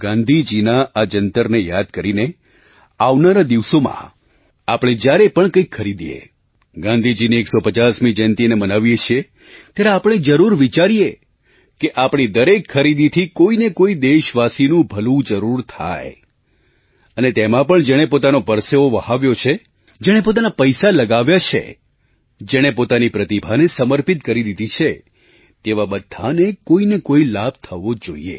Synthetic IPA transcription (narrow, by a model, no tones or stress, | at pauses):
ɡ̥ãnd̪ʱid͡ʒinaʔad͡ʒənt̪əɾnejad̪̚kəɾine | aʋnaɾad̪iʋsomã̰ | apɽ̃ed͡ʒjaɾepəɳkəikʰːəɾid̪ijḛ | ɡãnd̪ʱid͡ʒiniːksopət͡ʃasmid͡ʒənt̪inemənaʋjet͡ʃʰie | t̪jaɾeapɽ̃ed͡ʒəɾuɾʋit͡ʃaɾije | keʔapɽ̃id̪əɾekʰːəɾid̪it̪ʰikoinekoid̪eʃʋasinũbʱəlũd͡ʒəɾuɾt̪ʰa̰j | ənet̪emãpəɳd͡ʒeɽ̃epot̪anopəɾseoʋəɦaʋjot͡ʃʰe | d͡ʒɛɽ̃ep̬ot̪̬anapəjsaləɡaʋjat͡ʃʰḛ | d͡ʒeɽ̃epot̪anipɾət̪ibʱanesəməɾpit̪kəɾid̪id̪ʱit͡ʃʰe | t̪eʋabəd̪ʱːa̰nekoinekoilab̚ʱt̪ʰəʋod͡ʒoḭḛ